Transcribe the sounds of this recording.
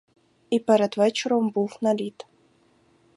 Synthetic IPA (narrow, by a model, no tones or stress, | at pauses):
ipɛɾɐd̪vɛt͡ʃɪɾombulˠnalʲit̪